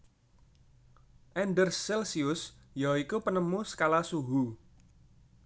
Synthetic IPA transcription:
ʔɛnɖərːɛlsiʊsjaikupənəmusə̥kalasuɦu

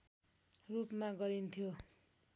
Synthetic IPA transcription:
rupmaɡʌɾint̪ʰjo

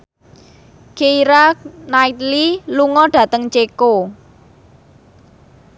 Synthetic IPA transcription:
keiɾak̚nait̪liluŋɔɖ̥ä̤t̪əŋt͡ʃeko

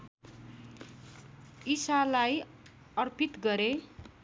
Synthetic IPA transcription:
isalaj | ʌrpʰit̪ɡʌɾe

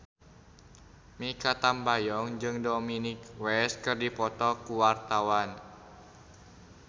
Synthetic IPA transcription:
mikat̪ambajɔŋd͡ʒɨŋdominɪkwɛs̚kɨrdipɔt̪ɔkuwart̪awan

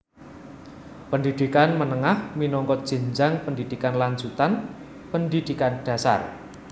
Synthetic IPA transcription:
pəndid̪̥ikanmənəŋahminɔŋkɔd̥ʒ̥ə̤ɲd͡ʒaŋpəndid̪̥ikanlaɲd͡ʒut̪an | pəndid̪̥i̤kanɖ̥ä̤sa̰r

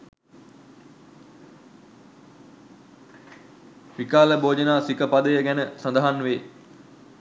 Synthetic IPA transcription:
ʋikaːləboːd͡ʒənaːsikəpad̪əjəɡænəsand̪əɦanʋeː

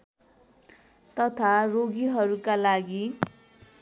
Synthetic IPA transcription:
t̪ʌt̪ʰaroɡiɦʌɾukalaɡi

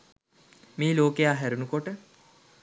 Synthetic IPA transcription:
miːloːkejaːɦæɾunukoʈə

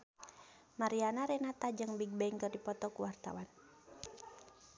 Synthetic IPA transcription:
maɾianaɾɛnat̪ad͡ʒɨŋbiɡ̚bɛiŋkərdipɔt̪ɔkuwart̪a̰wan

